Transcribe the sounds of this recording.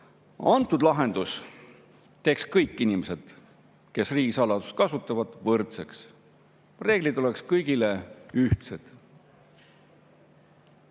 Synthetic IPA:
ɑnt̪ːˑud̪̥lɑɦe̞nd̪̥us | t̪e̞ːkskɤjkˑːinimese̞d̪̥ | ke̞sriːɡ̥isɑlɑd̪̥uskɑsut̪ˑːɑvɑd̪̥vɤrt̪seks | re̞ːɡ̥lid̪̥o̞le̞kskɤjɡ̥ileyht̪sed̪̥

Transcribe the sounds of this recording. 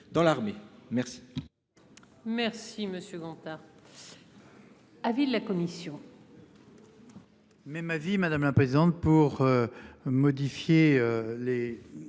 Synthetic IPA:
d̪ɑ̃laʁmemɛʁsi̥ | mɛʁsiməsjøɡɑ̃t̪aʁ | avid̪lakɔmisjɔ̃ | mɛmavimad̪amlapχezid̪ɑ̃t̪̚puʁømɔd̪ifjeøle

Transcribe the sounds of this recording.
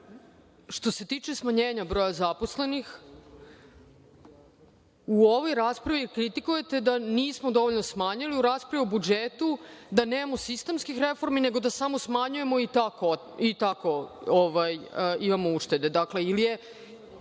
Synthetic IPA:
ʃt̪o̞se̞t̪iːt͡ʂe̞smaɲeːɲabɾo̞ːjazapo̞sle̞nix | uoʋo̞jɾaːspɾaʋiɾkɾit̪ikuje̞t̪e̞d̪aniːsmod̪oʋoʎnosmaɲiliuɾaːspɾaʋiobud͡ʒet̪ud̪aneːmamosist̪emskixɾe̞fo̞ɾmine̞ɡo̞d̪asamo̞smaɲuje̞mo̞it̪ako | it̪ako̞oʋajimamouʂt̪e̞d̪e̞d̪akle̞ilije

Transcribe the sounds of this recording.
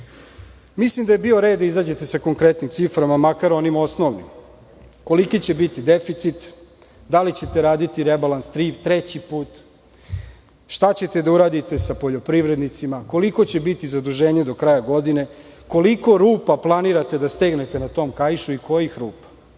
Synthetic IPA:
mislimd̪ajebio̞ɾe̞ːd̪d̪aizaːd͡ʑe̞t̪e̞sako̞ŋkɾet̪nimt̪sifɾamamakaɾo̞nimo̞sno̞ʋnḭm | ko̞likit͡ɕe̞bit̪id̪efit̪sit̪ | d̪alit͡ɕe̞t̪e̞ɾaːd̪it̪iɾebalanst̪ɾiːpt̪ɾet͡ɕipuːt̪ | ʃt̪at͡ɕe̞t̪e̞d̪auɾaːd̪it̪e̞sapo̞ʎo̞pɾiʋɾed̪nit̪simako̞liko̞t͡ɕebit̪izad̪uʒe̞ːɲe̞d̪o̞kɾaːjaɡo̞d̪ine̞ | ko̞likoɾuːpaplˠaniɾat̪ed̪ast̪eɡne̞t̪e̞nat̪o̞ːmkajiʃuikojeixɾuːpḁ

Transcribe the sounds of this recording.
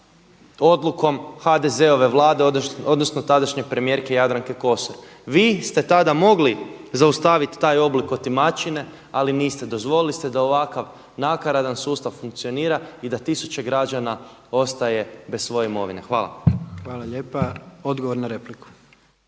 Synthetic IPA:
o̞d̪luko̞mxad̪eze̞o̞ʋe̞ʋlˠaːd̪eod̪o̞d̪no̞snot̪ad̪aʃɲe̞pɾemije̞ɾkejad̪ɾaŋke̞ko̞soɾ | ʋiːst̪e̞t̪ad̪amo̞ɡlizaust̪aʋit̪t̪ːaːjo̞bliko̞t̪imat͡ʃine̞ | aliniːst̪e̞d̪o̞zʋo̞lilist̪e̞d̪ao̞ʋakaʋ | nakaɾad̪ansuːst̪aʋfuŋk̚t̪sio̞niːɾaid̪at̪isut͡ɕe̞ɡɾad͡ʒana | o̞st̪aje̞be̞ssʋo̞je̞imo̞ʋine̞xʋaːla̰xʋaːlˠaʎeːpao̞d̪ɡoʋoɾnaɾepliku̥

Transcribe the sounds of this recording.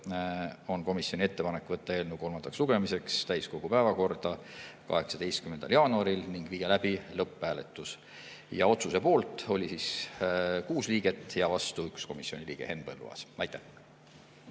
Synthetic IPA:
o̞nko̞misjo̞nʲie̞t̪ːe̞pɑnekːˑvɤt̪ˑːɑe̞ːlnuko̞lmɑnd̪ɑksluɡ̥e̞mise̞kst̪æjsko̞ɡ̥upæevɑko̞rd̪̥ɑkɑ̰ɦe̞ksɑd̪e̞jst̪kymːend̪ɑljɑːnuɑɾilniŋɡ̥viːjelæb̥ilɤpːæːlet̪ˑːus | jɑ̰o̞t̪suse̞po̞ːlt̪ˑo̞lʲisis | kuːsliːɡ̥e̞t̪ˑːjɑvɑst̪uyksko̞misio̞nʲiliːɡ̥e̞he̞nb̥elːṵɑ̰sɑjt̪ːˑæh

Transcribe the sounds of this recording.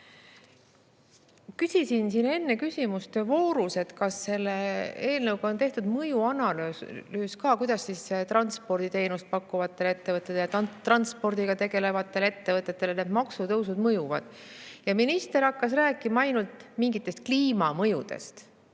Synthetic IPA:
kysʲisinsine̞nːe̞kysʲimust̪evo̞ːɾuse̞t̪kɑsːe̞lːee̞ːlnɤwɡ̥ɑont̪e̞ht̪ud̪̥mɤjuɑnɑløːlyːskɑːkujd̪̥ɑsːisːet̪rɑnt̪spo̞rd̪̥it̪e̞jnust̪̚pɑkːuvɑt̪ːˑe̞le̞t̪ːe̞vɤt̪ːˑet̪ːejt̪ːrɑnt̪spo̞rd̪̥iɡ̥ɑt̪e̞ɡ̥e̞le̞vɑt̪ːˑe̞le̞t̪ːe̞vɤt̪ˑːet̪ːˑe̞lned̪̥mɑksut̪ɤwsud̪̥mɤjuvɑ̰d̪̥ | jɑminist̪e̞ɾɑkːɑsræːkːˑimɑɑjnult̪miŋɡit̪ːˑe̞st̪̚kliːmɑmɤjud̪̥e̞̰st̪

